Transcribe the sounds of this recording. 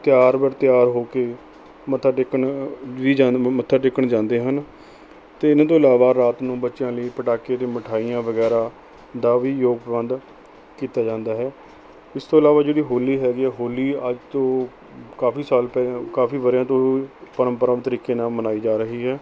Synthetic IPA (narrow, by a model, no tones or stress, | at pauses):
t̪ɪjaːɾbəɾt̪ɪjaːɾɦoːkeː | mət̪ʰːaɖɪkːəɳʋiːd͡ʒamət̪ʰːaɖɪkːəɳd͡ʒãːnd̪eːɦən | t̪eːɪnãːt̪õːɪlaːʋaːɾaːt̪nũːbətːʃɪjãːləiːpəʈaːkeːd̪eːməʈʰaːijãːʋəɡɛːɾaː | d̪aːʋiːjoːɡ̚pəbə̃nd̪ | kiːt̪aːd͡ʒãːnd̪aːɦɛː | ɪst̪oːɪlaːʋaːd͡ʒeːɽiːɦoːliːɦɛːɡiːɛːɦoːlːiːəd͡ʒt̪õː | kaːfiːsaːlpɛːkaːfiːʋəɾjãːt̪̬õːipəɾəmpəɾəmt̪əɾiːkeːnãːmənaːiːd͡ʒaːɾəɦiːɦɛː